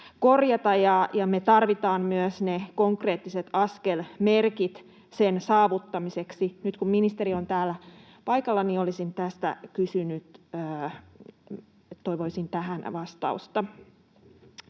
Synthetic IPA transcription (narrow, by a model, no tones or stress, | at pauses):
korjɑt̪ɑjɑjɑmet̪ɑrʋit̪ɑːmmyøsnekoŋkre̞ːt̪ːiset̪ɑskelmerkit̪ | sensɑːʋut̪ːɑmiseksinyt̪kumminist̪eɾiont̪æːlːæ | pɑikɑlːɑniolisint̪æst̪æ̰kysynyt̪ː | t̪oiʋoisint̪æɦænʋɑst̪ɑ̰ust̪ɑ